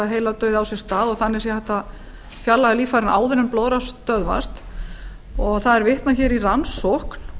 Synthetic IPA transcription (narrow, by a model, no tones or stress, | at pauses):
aɦeːjlat̪œːɥðawsjɛ̥st̪aːðɔɣθanːɛɾsjɛhaht̪a | fjalːaɣaliːfaɾɪnʔaːwðʏɾʏmploːwɾast̪œðva̰st̪ | ɔɣθaðɛɾvɪht̪naçɛːɾiransɔhkn̥